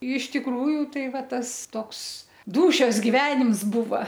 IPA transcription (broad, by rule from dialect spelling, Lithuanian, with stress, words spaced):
ɪʃ tʲɪkˈruːjʊ ˈtɐɪ ˈʋɐ ˈtɐs ˈtoːks ˈduːʃʲoːs ɡʲɪˈʋʲæːnʲɪms ˈbʊʋɐ